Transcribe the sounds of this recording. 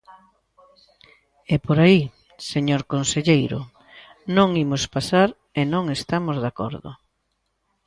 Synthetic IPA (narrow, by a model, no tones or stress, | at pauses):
epoɾai | seɲoɾkonseʎejɾʊ̰ | nõŋimospasaɾ | enõŋest̪amozðakɔ̰ɾðʊ̰